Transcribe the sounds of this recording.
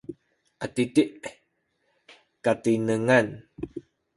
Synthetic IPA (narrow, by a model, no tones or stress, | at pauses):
atit̪iʔ | katinəŋan